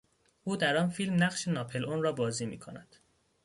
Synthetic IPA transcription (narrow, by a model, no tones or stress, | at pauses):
ʔuːd̪æɾɒːnfilmnæɢʃenɒːpʰe̞lʔonrɒːbɒːziːmḭːkʰonæd̪̥